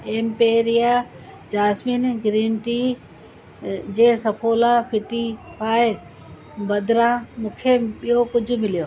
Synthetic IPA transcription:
eːmpeːɾɪja | d͡ʒaːsmiːnɡɾiːnʈiː | d͡ʑeːsɐpʰoːlaːpʰɪʈipʰaːe | bɐd̪ɾãːmʊkʰepɪjokʊd͡ʑʱʊ̆mɪljoː

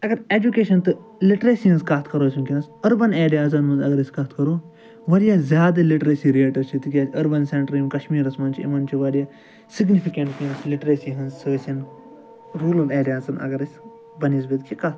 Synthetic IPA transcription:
ɐɡɐɾeːd͡ʒukeːʃɐnt̪ɨ | liʈɾesiɐnzkɐt̪ʰkɐɾoːsʲimkinɐsɐɾbɐneːɖijaːzɐnmɐnzɐɡɐɾɐsʲkɐt̪ʰkɐɾoː | ʋɐɾijaːzʲjaːd̪ɐliʈɾesiːɾieːʈɐɾt͡ʃʰit̪ɨkʲjaːsʰʲɐɾbɐnseɳʈɾimkɐʃmiːɾɐsmɐnt͡ʃʰiḭmɐnt͡ʃʰiʋɐɾijaː | siɡnifʰikeɳʈkinɐsliʈɾesiɦɐnzsəːsɐn | ɾuːlɐneːɖjaːzɐnɐ̰ɡɐɾɐsʲ | bɐniːzbit̪kikɐt̪

